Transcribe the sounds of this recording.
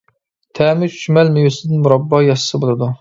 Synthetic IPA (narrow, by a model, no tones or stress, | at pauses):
t̪ʰɛːmɪʃymɛlmyjusɪd̪ɪnmuɾɑbːɑjɑsə̥sɨbolˠɨd̪u